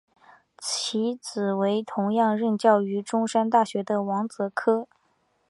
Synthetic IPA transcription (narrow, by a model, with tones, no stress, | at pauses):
t͡ɕʰi˧˥t͡sɹ̩˨˩we˧˥ɪt̪ʰʊ˧˥ŋjɑ˥˧ŋɻə˥˧nt͡ɕjɑ˥˩ʊy˧˥ʈ͡ʂʊ˥ŋʂa˥nt̪a˥˩ɕɥɛ˧˥d̪ə˧wɑ˧˥ŋt͡sɤ˧˥kʰɤ˥